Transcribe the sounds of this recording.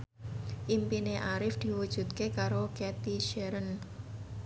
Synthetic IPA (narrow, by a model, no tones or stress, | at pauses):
ʔimpineʔaɾɪfd̪̥i̤wud̥ʒ̥ṳt̪kekaɾokɛt̪iʃɛɾən